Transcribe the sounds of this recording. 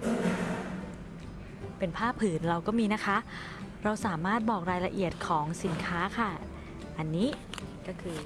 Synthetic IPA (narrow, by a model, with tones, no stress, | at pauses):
pe˧npʰaː˥˩pʰːɯː˩˦nɾa˧wkɔː˥˩miː˧na˦˥kʰa˦˥ʔ | ɾa˧wsaː˩˦maː˥˩t̪̚bɔː˨˩k̚ɾaː˧jla˧ʔi˨˩ət̪̚kʰɔː˩˦ŋsi˩˦nkʰaː˦˥kʰa˥˩ | ʔa˧nːiː˦˥kɔː˥˩kʰɯː˧